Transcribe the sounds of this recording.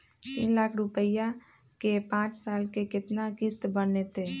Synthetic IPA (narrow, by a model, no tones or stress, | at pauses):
t̪iːnlaːkʰɾʊpəja | kepãːt͡ʃsaːlkekɪt̪nakɪst̪bənnet̪e